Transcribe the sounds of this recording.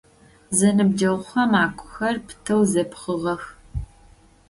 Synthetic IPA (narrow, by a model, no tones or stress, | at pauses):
zɐnɨb̚d͡ʒɐwʊχɐmaːkʷʰʼʊ̥xɐrpʰtʰɐwzɐpχəʁɐx